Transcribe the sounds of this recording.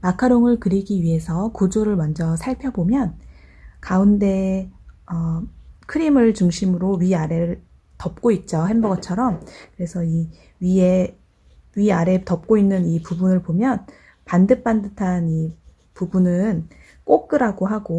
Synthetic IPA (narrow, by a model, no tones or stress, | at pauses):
makʰaɾoŋɯɭkɯɾiɡiɥiɦe̞sʰʌkud͡ʑoɾɯɭmʌnd͡ʑʌsʰaɭpʰjʌbomjʌnkaunde̞ | ʌkʰɯɾimɯɭt͡ɕuŋɕʰimɯɾoɥiaɾe̞ɾɯɭ | tʌp̚k͈oit̚t͡ɕ͈oɦembʌɡʌt͡ɕʰʌɾʌmkɯɾe̞sʰʌi | ɥie̞ | ɥiaɾe̞tʌp̚k͈oinːɯnipubunɯɭpomjʌn | pandɯp̚p͈andɯtʰani | pubunɯn | k͈ok̚k͈ɯɾaɡoɦaɡo